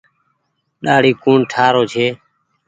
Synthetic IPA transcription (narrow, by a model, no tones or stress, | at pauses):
ɗaːɽiːkuːɳʈʰaːɾoːt͡ʃʰeː